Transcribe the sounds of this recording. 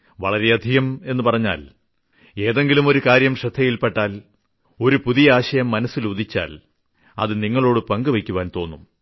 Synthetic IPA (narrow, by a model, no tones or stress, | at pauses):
ʋɐ̰ɭɐɾe̞ɐd̪ʱiɣɐme̞nːupɐrɐɲːa̰ːl | e̞ːðe̞ŋɡilumo̞ɾukaːɾjɐmʂɐd̪ʱːɐjilpeʈːaːl | o̞ɾupuðijɐaːɕɐjɐmːɐnɐsːiluðit͡ɕːa̰ːl | ɐ̰ðɨniŋːɐɭo̞ːɽɨpɐŋɡɨʋɐkʲːuʋaːnt̪o̞ːnːum